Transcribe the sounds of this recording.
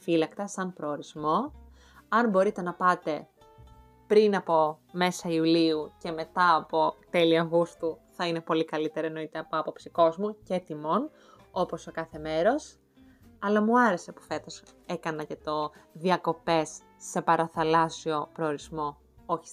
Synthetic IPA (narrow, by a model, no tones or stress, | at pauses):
filɐkt̪ɐsɐmpɾo̞ːɾizmo̞ | ɐnbo̞ɾit̪e̞nɐpɐt̪e̞ | pɾinɐpo̞ | me̞sɐiuliuce̞me̞t̪ɐːpo̞t̪e̞liɐɣust̪uθɐine̞po̞likɐlit̪e̞ɾieno̞it̪eɐpoɐpo̞psiko̞zmucet̪imo̞n | o̞po̞so̞kɐθe̞me̞ɾo̞s | ɐlɐmuɐɾe̞se̞pu̥fe̞t̪o̞se̞kɐnɐce̞t̪o̞ðiɐko̞pe̞sː | e̞pɐɾɐθɐlɐsio̞pɾo̞ːɾizmo̞ | oçi̥